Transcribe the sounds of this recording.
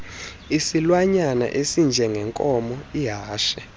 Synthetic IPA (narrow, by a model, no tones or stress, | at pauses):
isilwaɲana̰ʔesind͡ʒʱɛŋɡʱɛŋkʼɔmɔiɦaːʃɛ̥